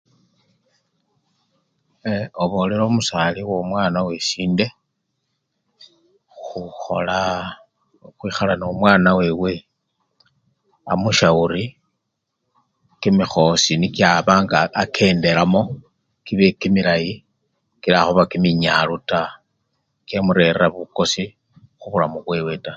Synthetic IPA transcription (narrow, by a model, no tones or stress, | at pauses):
eoβo̞leɾo̞ːmusaliwo̞mwaːnawesiːnde̞ | xxuxo̞̰la | xwiːxalanomwaːnawe̞we̞ | a̰muʃauɾi | kimixo̞sinikjaβaːŋɡaːkʰe̞ːnde̞ɾamo̞ | kiβekimilaji | kiɾaxoβakimiɲaluta | kjemuɾe̞rraβuko̞si | xuβulamuβwe̞we̞ta